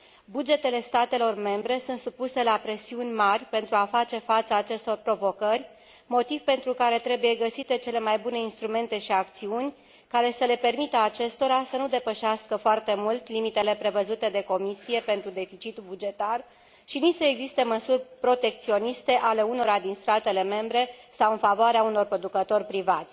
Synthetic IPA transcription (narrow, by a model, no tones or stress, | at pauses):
bud͡ʒe̞t̪e̞le̞st̪at̪e̞lo̞rme̞mbɾe̞sunt̪supuse̞lapɾe̞siunʲmarʲpe̞nt̪ɾuafatt͡ʃe̞fat̪səːt͡ʃe̞st̪o̞rpɾo̞vo̞kərʲ | mo̞t̪ivpe̞nt̪ɾukaɾe̞t̪ɾe̞buje̞ɡəsit̪e̞t͡ʃe̞le̞majbune̞inst̪ɾume̞nt̪e̞ʃiak̚t̪siunʲ | kaɾe̞səle̞pe̞rmit̪əat͡ʃe̞st̪o̞ɾasənud̪e̞pəʃaskəfoart̪e̞mult̪limit̪e̞le̞pɾe̞vəzut̪e̞d̪e̞ko̞misije̞pe̞nt̪ɾud̪e̞fit͡ʃit̪ubud͡ʒe̞t̪ar | ʃinisəeɡzist̪e̞məsurʲpɾo̞t̪e̞k̚t̪sio̞nist̪e̞ʔale̞uno̞ɾad̪inst̪at̪e̞le̞me̞mbɾe̞sawɨnfavoaɾeauno̞rpɾo̞d̪ukət̪o̞rʲpɾivat̪sʲ